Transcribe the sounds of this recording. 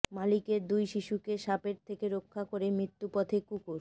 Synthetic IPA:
malikeɾd̪ujʃiʃukeʃapeɾt̪ʰekeɾokʰːakoɾemɾit̪ːupɔt̪ʰekukoɾ

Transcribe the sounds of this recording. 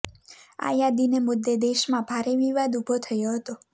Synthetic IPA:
a̰jad̪inemʊd̪ːed̪eʃmãbʱaɾeʋiʋad̪ubʱot̪ʰəjoɦət̪o

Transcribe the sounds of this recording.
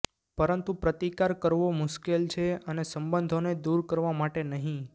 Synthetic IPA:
pəɾənt̪ũpɾət̪ikaɾkəɾʋomʊʃkelt͡ʃʰeənesəmbənd̪ʱoned̪uɾkəɾʋamaʈenəɦĩ

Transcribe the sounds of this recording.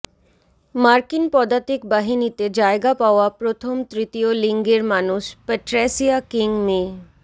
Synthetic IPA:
maɾkinpɔd̪at̪ikbaɦinit̪ed͡ʑaeɡapaoapɾot̪ʰomt̪ɾit̪ijoliŋɡeɾmanuʃpeʈɾɛsiakiŋmẽ

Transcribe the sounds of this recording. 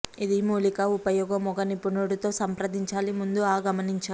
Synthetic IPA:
id̪imuːlikɐupɐjɔːɡɐmɔɡɐnipːunoːɽut̪o̞ːsɐmpɾɐd̪iɲt͡ʃaːlimund̪uaːɡɐmɐniɲt͡ʃaː

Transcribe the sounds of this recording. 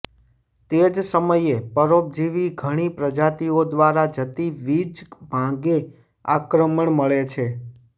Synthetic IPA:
t̪ed͡ʒsəməjepəɾop̚d͡ʒiʋiɡʱəɽ̃ipɾəd͡ʒat̪iod̪ʋaɾad͡ʒət̪iʋid͡ʒbʱãɡe | a̰kɾəməɳməɭet͡ʃʰe

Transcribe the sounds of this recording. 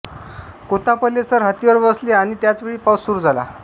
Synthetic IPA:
kot̪apəlːesəɾɦat̪iʋəɾbəsleaɽ̃it̪jat͡sʋeɭiːpawsːuɾud͡zʱala̰

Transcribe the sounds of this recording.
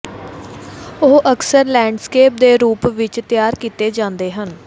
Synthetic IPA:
oːʔəksəɾlɛ̃ːɳɖskeːp̚d̪eːɾuːpʋɪt͡ʃt̪ɪjaːɾkiːt̪eːd͡ʒãːnd̪eːɦən

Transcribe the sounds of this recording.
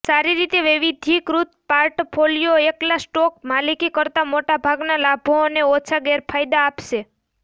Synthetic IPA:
saɾiɾit̪eʋiʋid̪ʱikɾut̪paɾʈpʰolijoeklasʈɔk̚malikikəɾt̪amoʈabʱaɡnalabʱooneot͡ʃʰaɡeɾpʰajd̪aːpʃe

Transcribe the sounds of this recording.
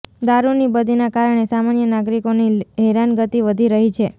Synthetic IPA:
d̪aɾunibəd̪ʱinakaɾəɳ̃esamanjənaɡɾikoniɦɛɾanɡət̪iʋəd̪ʱiɾəɦit͡ʃʰe

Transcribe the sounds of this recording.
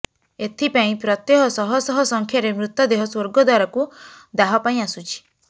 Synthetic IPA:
et̪ʰipaĩpɾɔt̪jɔɦɔsɔɦɔsɔɦɔsɔŋkʰjaɾemɾut̪jɔd̪eɦɔswoɾɡɔd̪waɾɔkud̪aɦɔpaĩasut͡ʃʰi̥

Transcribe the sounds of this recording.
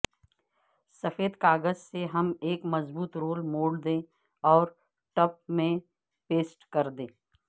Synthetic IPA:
sɐfeːd̪kaːɡəzseɦɐmeːkmɐzbuːt̪ɾoːlmoːɽd̪ẽː | ɔːɾ | ʈɐp̚mẽ | peːsʈkɐɾd̪ḛ̃ː

